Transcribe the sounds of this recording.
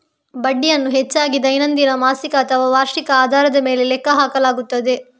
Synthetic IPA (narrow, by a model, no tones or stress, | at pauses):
bɐɖːijɐnːuɦet͡ʃːaːɡid̪ɐjnɐnd̪inɐmaːsikɐt̪ʰɐʋɐʋaːɾʂikɐaːd̪ʱaːɾɐd̪ɐme̞ːlelɛkːɐɦaːkɐlaːɡut̪ːɐd̪e̞